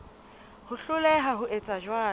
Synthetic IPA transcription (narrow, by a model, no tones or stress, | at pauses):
hʊɬʊlɛɦaɦʊʔet͡sʼaʒwaː